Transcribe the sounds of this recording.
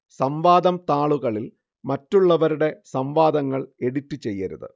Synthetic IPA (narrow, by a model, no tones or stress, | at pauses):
sɐmʋaːd̪ɐmt̪aːɭuɣɐɭil | mɐtːuɭːɐʋɐɾuɽe̞sɐmʋaːd̪ɐŋːɐɭe̞ɽitːɨt͡ɕe̞jːɐɾṵðɨ̰